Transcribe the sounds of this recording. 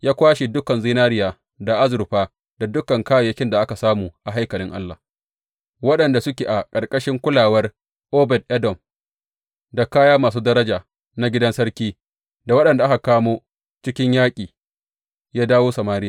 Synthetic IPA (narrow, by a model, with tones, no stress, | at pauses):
jaː˦kʷaː˦ʃe˨dʊ˦kɐ˨nziː˦naː˦ɾɪ˦jaː˨ | da˨ʔa˦zʊ˨ɾɸaː˦ | da˨dʊ˦kɐ˨ŋkaː˦ja˨jɐ˦kʲɪ˦nda˨ʔa˦ka˨saː˦muː˨ʔa˨ɦa˦jkɐ˨lɪ˦ŋʔa̰˦lːa̰˨ | wɐ˦ɗɐ˨nda˨sʊ˦kʲeː˨ʔa˨kʼɐ˨rkʼɐ˦ʃɪ˦ŋkʷʊ˦laː˨wɐ˦r | ʔoː˦bɛ˨d̚ʔɛ˦dɔ˨m | da˨kaː˦jaː˦maː˨s̬uː˦dɐ˦ɾɐ˦d͡ʒaː˨ | na˦ɡʲɪ˦dɐ˦nsɐ˦ɾkʲiː˦ | da˨wɐ˦ɗɐ˨nda˨ʔa˦ka˨kaː˦moː˦ | t͡ʃɪ˦kʲɪ˦ɲjaː˦kʲʼiː˨ | jaː˦daː˦woː˦sɐ˨maː˦ɾɪ˦jaː˨